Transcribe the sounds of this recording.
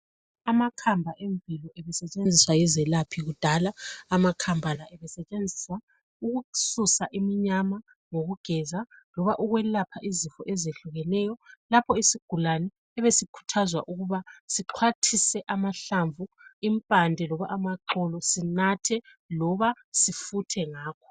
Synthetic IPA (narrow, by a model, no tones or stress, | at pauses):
amakʰambʱaʔeɱvilɔʔɛβɛsɛt͡ʃʼend͡zʱiswajizɛlapʰiɣud̥ʱalaːmakʰambʱalaʔɛβɛsɛt͡ʃʼend͡zʱisa | uɣususaʔimiɲama | ŋoɣuɡ̥ʱɛzalɔβaʔuɣwɛlapʰaʔizifɔʔɛzeɬuɣɛnɛjɔlapʰɔisiɡ̥ʱulanɛːβesikʰu̥tʰazwa̰ʔuɣuβasiǃʰwatʰisɛʔamaɬaɱvuimpʼandʱɛlɔβaʔamaǃɔlɔsinatʰɛ | lɔβa | sifutʰɛŋaːkʰɔ̥